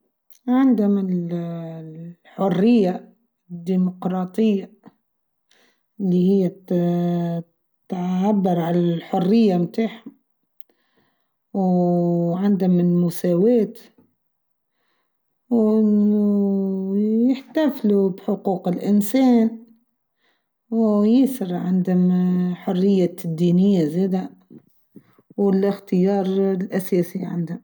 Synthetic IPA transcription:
ʕɪnd̪ʊmɪl | ħʊrːɪjːa | d̪ːiːmʊqɾˤɑːt̪ˤɪjːa | ʔɪlːihɪjːa | t̪ʕabːɑɾˤʕalalħʊrːɪjːamt̪aːħa | w | ʕɪnd̪ʊmɪlmʊsaːweːt̪ | wʔɪnʊ | jɪħt̪aflubħʊquːqɪlʔɪnseːn | wjɪsɪɾʕɪnd̪hʊmħʊrːɪjːad̪ːiːnɪjːazeːd̪a | wɪlʔɪxt̪ɪjɑːɾˤlʔaseːsiʕɪ̰nd̪hʊm

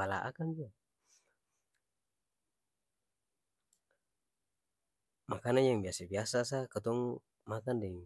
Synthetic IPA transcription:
ala̰ʔa̰kanbia | makanaɲjaŋbiasabiasasakat̪ɔŋu | makandɛŋ

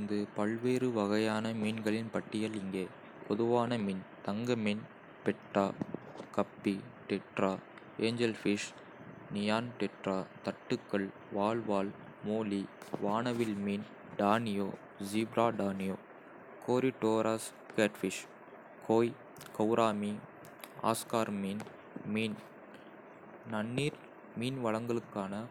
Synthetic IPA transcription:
nd̪ɯpɐɭʋeːɾɯʋɐɣɐjaːnɐmiːnɡɐɭɪnpɐʈːɪjɐlɪŋɡeː | pɔðɯʋaːnɐmiːnt̪ɐŋɡɐmin | pɛʈːaːkɐpːiʈɛʈraː | eːɲd͡ʒɛlfɪʂ | nɪjaːnʈ̪ɛʈraːt̪ɐʈːɯkːɐɭ | ʋaːɭʋaːl | moːliʋaːnɐʋɪlmiːn | ɖaːnɪjoː | d͡ʒibɾaːɖaːnɪjoː | kʰoːɾiʈoːɾaːs | keːʈfɪʂ | kʰoːj | kɐʊɾʔaːmi | a̰ːskaːɾmiːn | miːn | nɐnːiːɾ | miːnʋɐɭɐŋɡɐɭɯkːaːnɐ

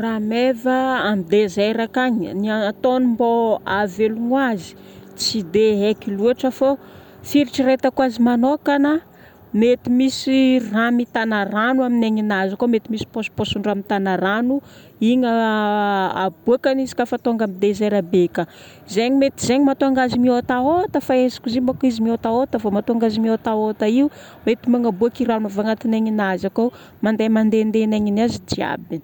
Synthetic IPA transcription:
ramevaamid̪ezeɾakaɲniat̪onimboaveluŋwazi̥ | t͡sid̪eɦekiluaʈ͡ʂəfo | fiɾiʈ͡ʂiɾet̪akwazimanokanə | met̪imisiramit̪anaranuamineɲinazakomet̪imisi̥posu̥posuɳɖ͡ʐamit̪anaɾanu | iɲa | ab̥uakanizi̥kʲafat̪oŋɡamid̪ezeɾabekə | zeɲimet̪izeɲimat̪oaŋɡazimiot̪aot̪əfaezḁkuzembakizimiot̪aot̪əfamat̪oaŋɡazimiot̪aot̪aiu | met̪imaŋabuakiranavaŋat̪ineŋinazako | mand̪emand̪end̪enaɲinazid͡ʒia̰bini̥

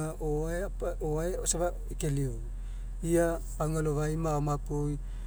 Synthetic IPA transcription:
aʔoaeapoaeosaβa | ekelio | ia | paŋaloβajmaomakoj

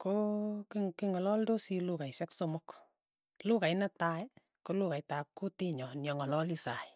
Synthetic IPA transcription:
kokikiŋɔlɔldosilukajsɛksomʊk | lukajnɛtaj | kolukajtap̚kutiɲɔnjɔŋɔlɔlisaj

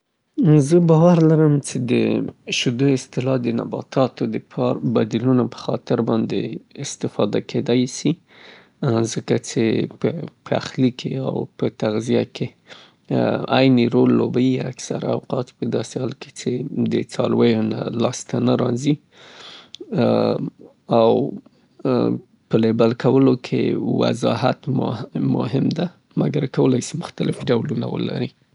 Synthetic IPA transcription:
zəbɑwaɾlaɾəmt͡ʃed̪ə̰ʃʊd̪oɪst̪ɪlɑd̪əna̰bɑ̰t̪ɑt̪od̪əpʰɑɾbad̪ilunapə̥xɑt̪ɪɾbɑnd̪eɪst̪ɪfɑd̪akʰed̪ajsi | zəkat͡ʃepəpʰəa̰xlikʰea̰wpət̪aɣzijakʰe | ajniɾolːobajiaksaɾaawqɑt̪pəd̪ɑsehɑlke̥t͡ʃed̪ət͡sɑlwajona̰lɑst̪anaɾɑzi | aw | pəlebalkawəlokʰḛwa̰zɑɦat̪m̰mʊ̰ɦɪmd̪a | maɡaɾkawəlajsimʊxt̪alɪfɖawluna̰wə̰la̰ɾi

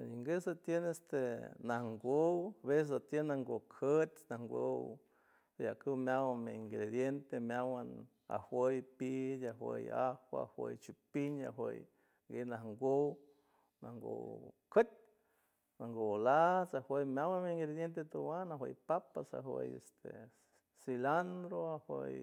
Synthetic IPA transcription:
iŋɡesat̪jenest̪enahŋɡowaβesesat̪jenaŋɡokʰət̪naŋɡow | jakɨwmjawameiŋɡɾed̪jent̪emjawan | a̰hwəjpiaɦwə̰jahwa̰hwʷə̰jt͡ʃipiɲa̰ɦwəj | ɡenahŋɡow | naŋɡo̰wkʰət̪̚ʲ | naŋɡolat͡sahwəjmjawanmeiŋɡɾed̪jent̪̬et̪uwanaɦwə̰jpapasa̰ɦwə̰jest̪e | siland̪ɾoahwəj

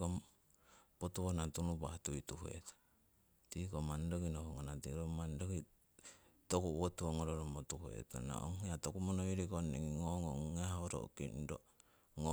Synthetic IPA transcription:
om | potuonatunubahtuituhuḛto̥ | tikomandokinohuŋonatiɾomandoki | tokuwotuoŋoɾoɾomotuhuḛto̰na̰o̰ŋheatokumonoiɾikoneŋiŋoŋoahoɾo̰kḭndo | ŋo

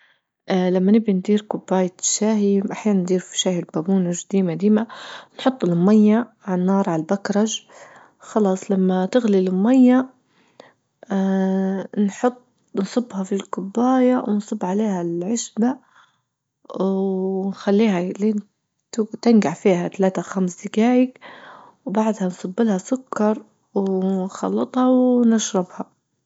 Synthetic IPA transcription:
ʔlamːanɪbind̪iːɾkʊbːaːjaʃaːɦiʔaħjaːnand̪iːɾfi̥ʃaːhilbabuːnʊʒd̪iːmad̪iːmanħʊt̪ˤːɪlmajːaʕnːɑːɾˤʕalbakɾˤɑʒ | xɑlɑːsˤlamːat̪ɪɣlilmajːa | nħʊt̪ˤː | nsˤɨbːhɑfilkʊbːaːjawnsˤɨbːʕaleːhalʕɪʃba | nxalːiːhalin | t̪t̪ɪnɡaʕfiːhat̪alaːt̪axamsd̪ɪkaːjɪk | wbaʕd̪hansˤɑbːɪlhasʊkːɑɾˤ | wnxɑ̰lːɨt̪ˤhɑwnaʃɾˤɑbhɑ

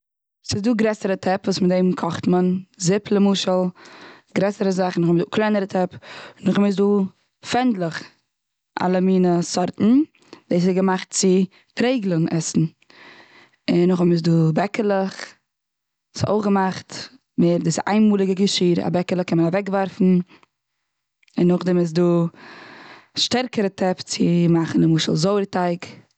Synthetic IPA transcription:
sɪzduːɡɾɛsəɾətʰɛpvuːsmɪtdeɪmkʰɔχtmənzɪpʰlˠəmuːʃəlˠɡɾɛsəɾəzaχn̩ʊχmduːklˠaɪnəɾətʰɛpnːʊχɔmɪs̬duː | fɛndlˠəχ | ʔa̰lˠəmiːnəsɔɾtn̩ | d̥eɪs̬ɪɡəmaχt̚t͡sɪ | tɾeɪɡlˠʊŋʔɛsn̩ | ɪnʊχɔbmɪs̬duːbɛkəlˠəχ | so̰ʊχɡəmaχt | meːɾdɪsɪʔa̰ɪnmuːlˠɪɡəɡəʃiːɾa̰bɛkəlˠəχkɛnmənavɛkvaɾfn̩ | ɪnːʊχdɪmɪs̬duː | ʃtɛɾkəɾətʰɛpt͡sɪmaχn̩ɪmuːʃəl̩ˠzoʊɾtaɪk

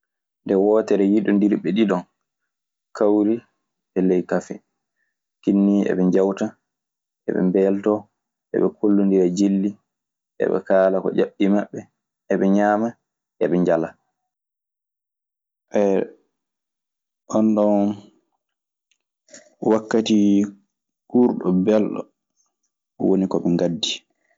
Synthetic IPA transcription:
ndɛwɔːtɛɾɛjiɗundiɾɓɛɗiɗɔn | kʰawɾi | ɛlɛjkafɛ | kinːiɛ̰ɓɛɲd͡ʒawta | ʔɛ̰ɓɛ̰mbɛːltɔ | ʔɛ̰ɓɛkʰolːundiɾad͡ʒilːi | ʔɛ̰ɓɛ̰kaːlakɔ̰d͡ʒaɓːimaɓːɛ | ɛɓɛɲaːma | ʔɛɓɛɲd͡ʒala | ʔɛ | ʔɔnɗɔn | wakːati | kuːɾɗɔbɛlɗɔ̰ | wonikɔɓɛŋɡadːi

